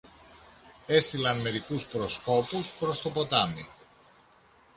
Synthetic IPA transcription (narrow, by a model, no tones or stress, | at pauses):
e̞st̪ilɐnme̞ɾikuspɾo̞sko̞puspɾo̞st̪o̞po̞t̪ɐmi